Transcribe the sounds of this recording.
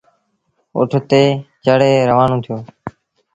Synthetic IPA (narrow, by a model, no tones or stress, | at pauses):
ʊ̰ʈʰt̪eːt͡ʃəɽeːɾəʋaːnõːt̪ʰɪjoː